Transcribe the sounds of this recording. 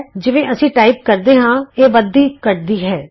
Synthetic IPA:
d͡ʒɪʋẽːʔəsĩːʈaːiːp̚kəɾd̪eːɦãːeːʋəd̪iːkəɾd̪iːɦɛː

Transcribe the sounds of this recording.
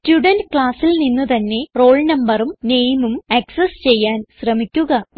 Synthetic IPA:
stuɽɐndkɭaːsilninːut̪ɐnːe̞ro̞ːɭnɐmbɐrumneːjmumɐksɐst͡ɕe̞jːaːnɕrɐmikʲːuɣɐ

